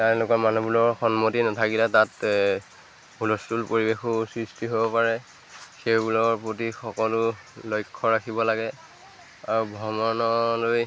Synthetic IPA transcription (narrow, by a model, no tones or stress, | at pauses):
tɛ̃lʊkɔɹmanubulɔɹxɔnmotinatʰakilatat | bʱulɔstulpoɹibexʊsɹistiɦobɔpaɹɛ | xewbulɔɹpɹot̬ixɔkɔlʊlojkʰːɔɹakʰibɔlaɡɛ | aɹubʱɔmɔnɔloj